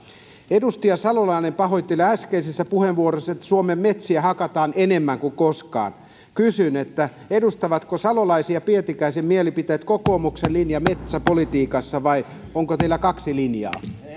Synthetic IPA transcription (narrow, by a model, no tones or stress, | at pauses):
edust̪iɑsɑlolɑinempɑɦoit̪ːilæskeisesːæpuheʋʋuorosːɑet̪ːæ̥suomemmet̪siæhɑkɑt̪ɑːnenemːæŋkuŋkoskɑ̰ːn | kysynet̪ːæ | edust̪ɑʋɑt̪kosɑlolɑisiɑpiet̪ikæisemmielipit̪eːt̪kokoːmukselinjɑmet̪sæpolit̪iːkɑsːɑʋɑi | oŋkot̪eilːˑækɑksilinjɑ̰ː